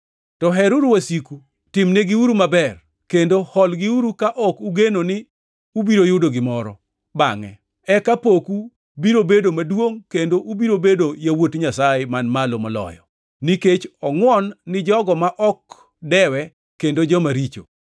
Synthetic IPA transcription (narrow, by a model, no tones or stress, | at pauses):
tɔɦɛɾuɾwasiku | tɪmneɡiuɾumabɛr | kendohɔlɡɪuɾukaʔɔkuɡenonɪ | ubiɾojʊdoɡɪmɔɾɔ̰ | baŋɛ̰ | ɛkapoku | biɾobedomadwoŋkendoʔubiɾobedojawotɲasajemanmalomɔlɔ̰jɔ | niket͡ʃɔŋwɔnːɪd͡ʒɔɡɔmaʔɔk | dɛwɛ | kendod͡ʒɔmaɾit͡ʃo̰